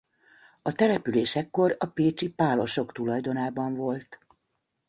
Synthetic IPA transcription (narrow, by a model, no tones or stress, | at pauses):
ɒt̪ɛlɛpyleːʃɛkːo̞rɒpeːt͡ʃipaːlo̞ʃo̞kt̪ulɒjd̪o̞naːbɒɱvo̞lt̪